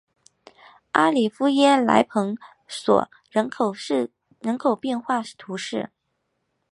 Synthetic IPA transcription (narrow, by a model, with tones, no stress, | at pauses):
a˥li˨˩fu˥jɛ˥la̰˧˥ɪpʰɤ˧˥ŋ | swɔ̰˨˩˦ | ɻə˧˥˨ | ɻə˧˥nkʰo˨˩ʊpjɛ˥˧nxwa˥˩t̪ʰu˧˥ʂɻ̩˥˩